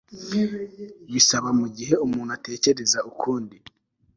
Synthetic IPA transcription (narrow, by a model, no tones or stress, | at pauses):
jisaβamuɟiɦe̞umuːn̥ate̞ːce̞ɾe̞zaukʰuːndi